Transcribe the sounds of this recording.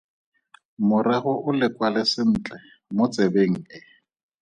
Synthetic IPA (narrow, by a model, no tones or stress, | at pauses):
mʊɾɛχʊʔʊlɪkwalɪsɪn̩ːt͡ɬʼɛ | mʊt͡sʼebeŋ̩ɪ